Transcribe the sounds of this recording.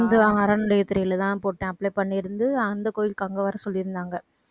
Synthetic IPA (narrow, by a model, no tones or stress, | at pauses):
nd̪ɯɐɾɐnʊɽɐjɐt̪ːʊɾɐjɪlɐt̪ãːpoːʈːẽɐpːlɐɪpɐɳːɪɾɯnd̪ɯɐnd̪ɐkoːjɪlkɐŋɡɐʋɐːɾɐsɔlːɪɾɯnd̪aːŋɡɐ